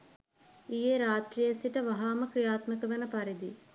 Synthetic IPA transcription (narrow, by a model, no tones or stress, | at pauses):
ijeɾaːt̪rijəsiʈəʋaɦaːməkrijaːt̪məkəʋenəpaɾid̪i